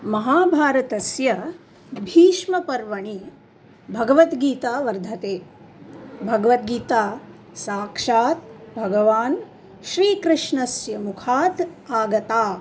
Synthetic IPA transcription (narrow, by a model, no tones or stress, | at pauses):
mɐɦaːbʱaːɾɐt̪ɐsjɐ | bʱiːʃmɐpɐɾʋɐɳi | bʱɐɡɐʋɐt̪ɡiːt̪aːʋɐɾd̪ʱɐt̪eː | bʱɐɡɐʋɐt̪̚ɡiːt̪aː | saːkʂaːt̪̚bʱɐɡɐʋaːn | ʃɾiːkɾɪʂɳɐsjɐmukʰaːt̪aːɡɐt̪aː